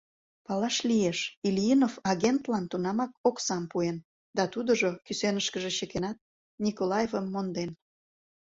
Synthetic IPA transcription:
pɑlɑʃlieʃilʲjinovɑɣent̪lɑnt̪unɑmɑkoksɑmpuen | d̪ɑt̪ud̪əʒokysenəʃkəʒeɕəkenɑt̪̚ | nʲikolɑjevəmːond̪en

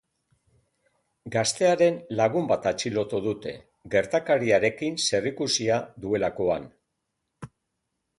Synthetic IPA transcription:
ɡast̪e̞aɾe̞nlaɣumbat̪at͡ʃilo̞t̪oðut̪e̞̰ | ɡe̞ɾt̪akaɾiaɾe̞kinse̞rikusiaðue̞lako̞an

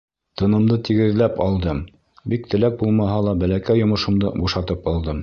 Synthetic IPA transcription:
t̪ɤ̆nɤ̆md̪ɤt̪iɡɘ̆ðlæpɑlˠd̪ɤm | bik̚t̪ɘ̆læk̚bulˠmɑɦɑlˠɑbælækæjŏmɤ̆ʃɤ̆md̪ɤbuʃɑt̪ɤpɑlˠd̪ɤm

